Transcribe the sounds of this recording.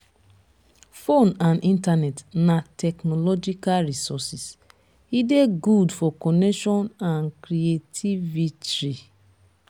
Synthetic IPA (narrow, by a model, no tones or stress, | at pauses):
fonãnĩntanɛtnatʰɛknɔlɔd͡ʒikalɹisɔsis | ideɡudfɔkɔnɛkʃɔ̃nãnkɾietʰivitɹi